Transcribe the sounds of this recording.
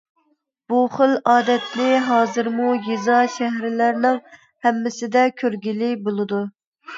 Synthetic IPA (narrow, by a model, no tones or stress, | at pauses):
b̥uχəlɑːd̪ɛt̪lɪɦɑːzɨɾmujezɑʃæɦɾɪlæɾnɪŋ | hɛmːɪsɪd̪ɛkʲʰøɾɡʲilɪbolˠɨd̪u